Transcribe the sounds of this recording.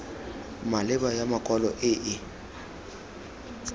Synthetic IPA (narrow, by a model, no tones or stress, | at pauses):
malɪbajamakʼɔlɔʔɪʔɪ